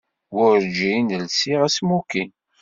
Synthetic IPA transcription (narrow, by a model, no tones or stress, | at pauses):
wʊɾd͡ʒinəlsiʁæsmukin